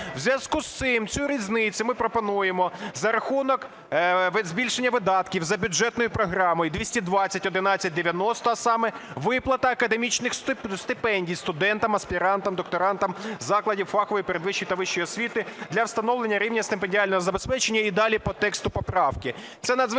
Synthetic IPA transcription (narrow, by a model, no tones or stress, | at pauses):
wzʲʋʲjɐz̥kust̪sɪmt͡sʲuɾʲiznɪt͡sʲʊmɪpɾɔpɔnujemɔzɐɾɐxunɔk | zʲbʲilʲʃenʲːɐʋɪd̪ɑt̪kʲiwzɐbʲʊd͡ʒɛt̪nɔjʊpɾɔɦɾɑmɔjʊd̪ʲʋʲisʲtʲid̪ʋɑt͡sʲːɐtʲɔd̪ɪnɑt͡sʲːɐt̚ʲd̪eʋʲjɐnɔst̪ɔɐsɑmɛʋɪplˠɐt̪ɐːkɐd̪emʲit͡ʃnɪxst̪ɪpɛnʲdʲijst̪ʊd̪ɛnt̪ɐmɐsʲpʲiɾɑnt̪ɐmd̪ɔk̚t̪ɔɾɑnt̪ɐmzɑklˠɐdʲiwfɑxɔʋjipeɾed̪ʋɪʃːijt̪ɐʋɪʃːɔjɔsʲʋʲit̪ɪd̪lʲɐwst̪ɐnɔʋlˠenʲːɐɾʲiwnʲɐst̪ɪmpenʲdʲialʲnɔɦɔzɐbespɛt͡ʃenʲːɐid̪ɑlʲipɔt̪ɛkst̪ʊpɔpɾɑwkɪ | t̪sɛnɐd̪z